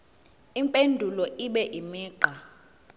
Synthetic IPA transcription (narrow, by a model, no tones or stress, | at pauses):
impʼendʱulɔʔiɓɛʔimiːǃa